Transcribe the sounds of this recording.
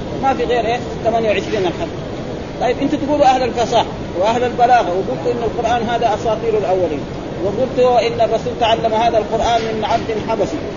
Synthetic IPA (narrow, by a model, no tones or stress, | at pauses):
mafiɣeːɾʔeː | t̪amanjawʕɪʃɾiːnalħad | t̪ˤɑjːibʔɪnt̪at̪ɪɡuːluʔahlalfɑsaːħ | wɪʔahlalbalaːɣawɪɡult̪uʔɪnːalqʊɾʔaːnɦaːd̪aʔɑsɑːt̪ˤiːɾulʔawːaliːn | wɪðˤult̪uʔɪnːabɑsuːlt̪aʕalːamhaːd̪alqʊɾʔaːnmɪnʕab̚d̪inħabasi